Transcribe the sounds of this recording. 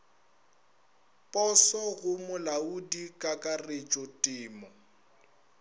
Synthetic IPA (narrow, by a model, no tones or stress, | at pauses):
pʼɔsɔɣʊmʊlaudikʼakʼaret͡ʃʼɔtʼɪːmɔ